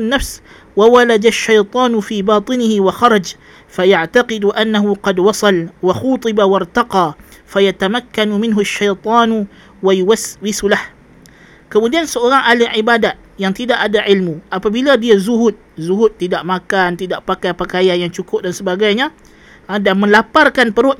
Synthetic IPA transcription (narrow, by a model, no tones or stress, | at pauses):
nːafs | wawalad̪aʃːajt̪ˤɑːnufiːbɑːt̪ˤɨnɪhɪwaxɑɾˤɑd͡ʒ | fajaʕt̪aqɪd̪uʔanːaɦuqɑdwɑsˤɑlwaxuːt̪ˤɨbawɑrˤt̪ɑqɑːfajat̪amakːanumɪnɦuʃːajt̪ˤɑːn | wajuwaswɪsulah | kəmudiansəoɾaŋʔalɪʕibadat̪̚jaŋt̪idaʔadaʕɪlmuʔapabiladiazuɦʊt̪̚zuɦʊt̪ːidaʔmakant̪idaʔpakajpəkajanjaŋt͡ʃukʊp̚dansəbaɡajɲa | danmə̃nlaparkanpəɾʊʔ̪̚